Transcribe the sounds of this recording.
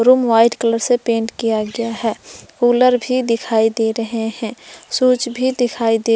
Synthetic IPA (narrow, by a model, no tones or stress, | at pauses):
ɾuːmʋaːɪʈkələɾsepẽːɳʈkijaɡɐjaɦɛːkuːləɾbʱid̪ɪkʰaːid̪eːɾɐɦeɦɛ̃suːt͡ʃbʱid̪ɪkʰaːid̪eː